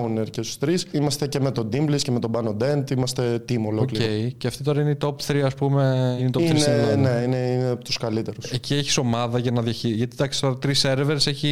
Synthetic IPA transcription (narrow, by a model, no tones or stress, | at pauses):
uneɾcest̪u̥st̪ɾisimɐst̪ece̞me̞t̪o̞d̪imblisceme̞t̪o̞bɐnod̪ent̪imɐst̪e̞t̪imolookliɾoejceɐft̪it̪o̞ɾɐineit̪o̞pθɾiɐspume̞ineit̪opθɾinsenneineinept̪uskɐlit̪e̞ɾusecieçi̥so̞mɐðɐʝɐnɐðjɐçiʝɐt̪id̪ɐksi̥t̪o̞ɾɐt̪ɾise̞ɾevɾese̞çi